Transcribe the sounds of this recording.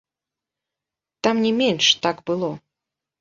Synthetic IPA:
t̪amnʲɛmʲɛnʂt̪aɡbɨlˠɔ

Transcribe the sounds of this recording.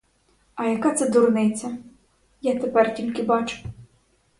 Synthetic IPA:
ɐjakat̪sɨd̪urnɛjt̪sʲɐ | jat̪ɐpart̪ʲinkʲibat͡ʂu̥

